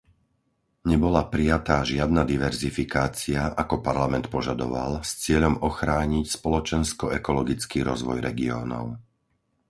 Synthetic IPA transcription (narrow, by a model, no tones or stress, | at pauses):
ɲɛbɔlapɾijat̪aːʒɪad̪nad̪iʋɛɾzifikaːt͡siaʔakɔpaɾlamɛnt̪pɔʒad̪ɔ̰ʋa̰lˠst͡sɪɛʎɔmɔxɾaːɲicspɔlɔt͡ʃɛnskɔɛkɔlɔɡit͡skiːɾɔzʋɔjɾɛɡiɔ̰ːnɔ̰ʊ